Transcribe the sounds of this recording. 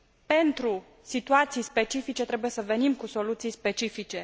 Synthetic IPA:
pe̞nt̪ɾu | sit̪uat̪sijspe̞t͡ʃifit͡ʃe̞t̪ɾebuje̞səve̞nimkuso̞lut̪sijspe̞t͡ʃifit͡ʃe̞

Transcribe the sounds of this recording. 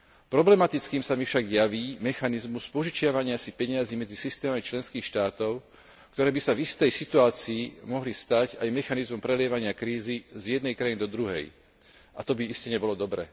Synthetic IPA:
pɾɔblɛmat̪it͡skiːmsamifʃaɡjaʋiːmɛxanizmuspɔʒit͡ʃɪaʋaɲɪasipɛɲɪaziːmɛd͡zisist̪ɛːmamit͡ʃlɛnskiːxʃt̪aːt̪ɔʊ | kt̪ɔɾɛːbisavist̪ɛjsit̪uaːt͡siːmɔɦlist̪acajmɛxanizmɔmpɾɛlɪɛʋaɲɪakɾiːzizjɛd̪nɛjkɾajinid̪ɔd̪ɾuɦɛ̰j | ʔa̰t̪ɔbiiscɛɲɛbɔlɔd̪ɔbɾɛ̰

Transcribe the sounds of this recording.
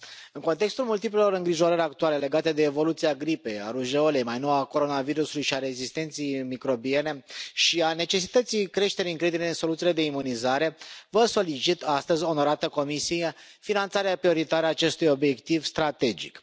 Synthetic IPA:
ɨŋko̞nt̪e̞kst̪ulmult̪iplelo̞ɾɨŋɡɾiʒo̞ɾəɾʲak̚t̪uale̞le̞ɡat̪e̞d̪e̞ːvo̞lut̪siaɡɾipe̞ja̰ɾuʒeolejmajno̞wako̞ɾo̞naviɾusulujʃiaɾe̞zist̪e̞nt̪sejmikɾo̞bie̞ne̞ʃiane̞t͡ʃe̞sit̪ət̪sijkɾe̞ʃt̪eɾʲiɨŋkɾed̪ineɨnso̞lut̪sile̞d̪e̞imunizaɾe̞vəso̞lit͡ʃit̪ast̪əzʲo̞no̞ɾat̪əko̞misije | finant̪saɾeapɾio̞ɾit̪aɾeaːt͡ʃe̞st̪ujo̞bje̞kt̪ivst̪ɾat̪e̞d͡ʒḭk

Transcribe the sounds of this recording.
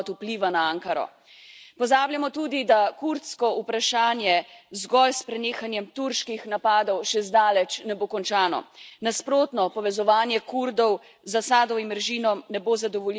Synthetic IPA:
t̪upliːʋanaaːŋkaɾɔ̰ | pɔzaːbljamɔt̪uːd̪id̪akuɾt̪skɔupɾaʃaːnjɛzɡɔlspɾɛneːxanjɛmt̪uɾʃkixnapaːd̪ɔwʃɛzd̪aːlɛt͡ʃnɛboːkɔnt͡ʃaːnɔ̰naspɾoːt̪nɔpɔʋɛzɔʋaːnjɛkuɾd̪ɔw | zasaːd̪ɔimɾʒiːnɔnɛboːzad̪ɔʋɔl

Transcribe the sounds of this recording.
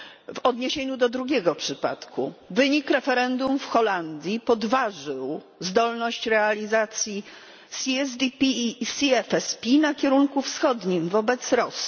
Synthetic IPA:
vɔd̪ɲeɕeɲud̪ɔd̪ɾuɡʲɛɡɔpʂɘpa̰t̪kṵvɘɲikɾɛfɛɾɛnd̪umfxɔland̪ʲjipɔd̪vaʐɘw | zd̪ɔlnɔɕt͡ɕɾɛalʲizat̪sʲji | sʲiɛz̬d̪ʲipʲiːsʲiɛfɛspʲinakʲɛɾuŋkufsxɔd̪ɲimvɔbɛt̪sɾɔsi

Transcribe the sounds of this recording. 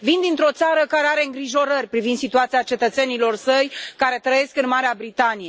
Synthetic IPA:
vind̪int̪ɾo̞t̪saɾəkaɾe̞aɾe̞ɨŋɡɾiʒo̞ɾərʲpɾivind̪sit̪uat̪siat͡ʃe̞t̪ət̪se̞nilo̞rsəjkaɾe̞t̪ɾəje̞skɨnmaɾeabɾit̪anije̞

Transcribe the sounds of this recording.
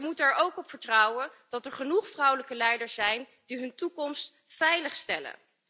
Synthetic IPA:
əmutəɛɹʔowkɔpfəɹtrɔwənd̥ɑtɛɹχənuχfrʌwləkəlɛjdəɹsɛjn | diɦɵntukɔmst | fɛjləχstɛlə̰

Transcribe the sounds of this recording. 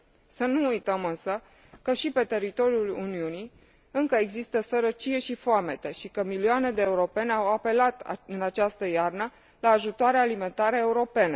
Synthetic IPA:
sənuujt̪əmɨnsə | kəʃipe̞t̪e̞ɾit̪o̞ɾiuluniuni | ɨŋkəeɡzist̪əsəɾət͡ʃije̞ʃifoame̞t̪e̞ʃikəmilioane̞d̪e̞ːuɾo̞pe̞neawape̞lat̪ɨnat͡ʃast̪əjarnə | laːʒut̪oaɾealime̞nt̪aɾeeuɾo̞pe̞ne̞

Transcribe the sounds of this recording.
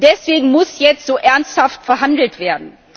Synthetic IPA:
d̥ɛsv̥eːɡŋ̩mʊsjɛt͡stz̥oːʔɛɐnsthaftfɛɐɦandl̩tv̥eːɐdn̩

